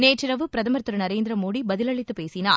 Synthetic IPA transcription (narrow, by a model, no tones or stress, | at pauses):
neːʈːɪɾɐʋɯpɾɐðɐmɐɾt̪ːɯɾɐnɐɾeːnd̪ɪɾɐmoːɽibɐðɪlɐɭɪt̪ːɯpeːsinaː